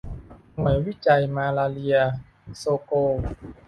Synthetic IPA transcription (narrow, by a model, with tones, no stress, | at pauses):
nu˨˩˦ə˦jwi˦˥˩t͡ɕa˧jmaː˧laː˧li˧ɐ | soː˧koː˧